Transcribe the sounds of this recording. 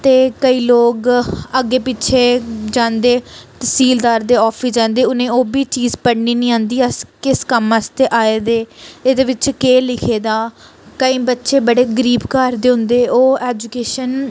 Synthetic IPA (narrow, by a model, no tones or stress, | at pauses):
t̪eːkəiːloːɡəɡːeːpɪtːʃʰeːd͡ʒãːnd̪eːt̪əsiːld̪aːɾd̪eːɔːpʰisd͡ʒãːnd̪eːʊnẽːoːbiːt͡ʃiːzpəɽɳiːnĩːãːnd̪iːəskɪskəməst̪eːʔaːeːd̪eːeːd̪eːʋɪt͡ʃkeːlɪkʰeːd̪aː | kəĩːbətːʃeːbəɽeːɡəɾiːbkaːɾd̪eːɦʊ̃nd̪eːoːɛːd͡ʒukeːʃən